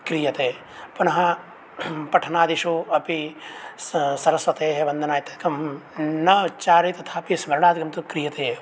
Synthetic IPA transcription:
kɾijɐt̪eː | pɐnɐɦɐ | pɐʈʰɐnaːd̪iʃuɐpi | sɐɾɐsʋɐt̪eːɦebɐnd̪ʱɐnaːjit̪ɐkɐmnɐt͡ʃaːɾit̪ɐt̪ʰaːpismɐɾɳaːd̪ɡɐmt̪ukɾijɐt̪eː

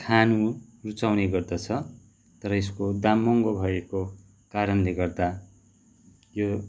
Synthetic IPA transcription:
kʰanurut͡sawneɡʌrd̪at͡sʰʌ | t̪ʌɾʌeskod̪amːʌŋɡobʱʌeko | kaɾʌnleɡʌrd̪a | jo

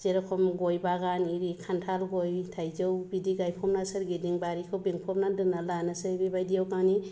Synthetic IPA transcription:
z̥eɾakʰɔmɡɔjbaɡaniɾikʰantʰalɡɔjtʰajzɯwbidiɡajpʰɔmnasɯɾɡidiŋbaɾikʰɯwbiŋpʰɔmnadɯnalanasɯbibajdijawkaŋni

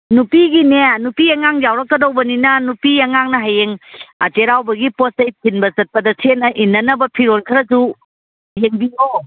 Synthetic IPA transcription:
nupiɡinenupiɐŋaŋd͡ʒawɾɐkːɐdowbɐninɐnupiɐŋaŋnɐɦajeŋteɾawbɐɡiposɐjpʰinbɐt͡ʃɐt̚pɐdɐsʰenɐʔinːɐnɐbɐpʰiɾonkʰɐɾɐsu | jeŋbio

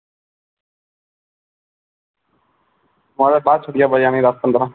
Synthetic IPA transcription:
mãːɾaːbaːt͡ʃʰəɽɪjaːbəjaːnĩːɾaːskənd̪ɾãː

